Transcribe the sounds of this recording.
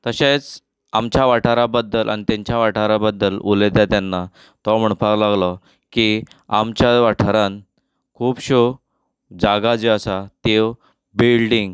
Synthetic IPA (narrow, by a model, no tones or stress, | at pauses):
t̪əɕẽt͡s | amt͡ɕjaʋaʈʰaɾabəd̪ːəlʔa̰ñit̪jãɲt͡ɕjaʋaʈʰaɾabəd̪ːəlolet̪jat̪janːa | t̪ɔm̤əɳpaklaɡlɔ | kiamt͡ɕaʋaʈʰəɾãn | kʰuːpɕo | d͡zaɡad͡zeəsat̪ew | bilɖiŋɡ